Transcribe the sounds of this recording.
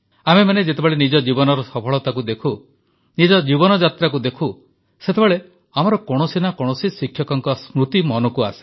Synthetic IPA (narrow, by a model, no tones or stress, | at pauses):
amemaned͡ʒet̪̬ebeɭenid͡ʒɔd͡ʒibɔnɔɾɔsɔpʰɔɭɔt̪akud̪ekʰu | nid͡ʒɔd͡ʒibɔnɔd͡ʒat̪ɾakud̪ekʰu | set̪ʰebeɭe | amɔɾɔkɔɽ̃ɔsinakɔɽ̃ɔsisikʰːjɔkɔŋkɔsmɾut̪imɔnɔkua̰si̥